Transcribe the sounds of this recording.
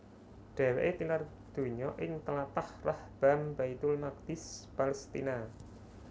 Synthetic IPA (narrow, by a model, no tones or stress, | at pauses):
ɖ̥a̤weʔet̪inar | d̪̥o̤ɲɔʔɪŋt̪əlat̪ahrahb̥a̤mbait̪ʊlnak̚d̪̥ɪspalst̪ina